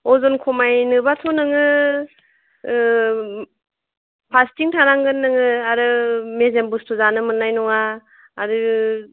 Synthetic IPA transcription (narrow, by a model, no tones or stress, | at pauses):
ɔzɔnkʰɔmajnɯbatʰɔnɯŋɯ | pʰastiŋtʰaɾaŋɡɯnːɯŋɯaɾɯmezembustʰuzanɯmɯnːajnɔŋaː | ɾɯ